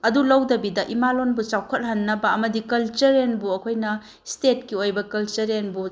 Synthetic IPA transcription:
ɐdulɐwdɐbidɐʔimalonbut͡ʃawkʰɐt̚ɦɐnːɐbɐɐmɐdikɐlt͡ʃɐɾenbuɐkʰojnɐ | stet̚kiojbɐkɐlt͡ʃɐɾenbu

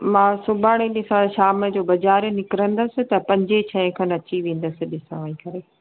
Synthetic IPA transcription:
mãːsʊbʱaːɽ̃ẽɗɪsãʃaːmə̆d͡ʑoːbɐd͡ʑaːɾnɪkɪɾə̃nd̪əsɪt̪ɐpɐ̃ɲd͡ʑet͡ɕʰɐ̃ɪ̃kʰɐ̃nɐt͡ɕiʋẽːn̆d̪əsɪɗɪsə̃ʋəĩkɐɾeː

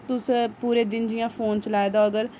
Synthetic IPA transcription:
t̪ʊspuːɾeːd̪ɪnd͡ʒɪjãːpʰoːnt͡ʃəlaːed̪aːəɡəɾ

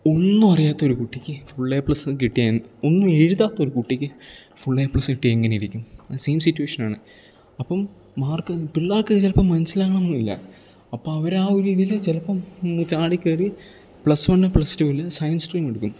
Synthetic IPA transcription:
o̞nːumɐrijaːt̪ːɐo̞ɾukuʈːikʲːɨfuɭːeːpɭɐsɨkiʈːijaːjnːonːɨeɻuðaːt̪ːɐoɾukuʈːikʲːɨ | fuɭːeːpɭɐsɨkiʈːieŋːɐnejiɾikʲːumseːmsitːuweːʂɐnaːɳɨ | ɐpːɐmː | aːrkɨpiɭːaːrkɨɨt͡ɕelɐpːɐmːɐnɐsilaːɳɐmɐnːilːɐ̰ | ɐpːoɐʋɐɾaːoɾiːðijilt͡ɕelɐpːɐmt͡ɕaːɽikʲːɐːri | pɭɐsʋɐnɨpɭɐstuːilsɐjɐnsʈriːmeɽukːum

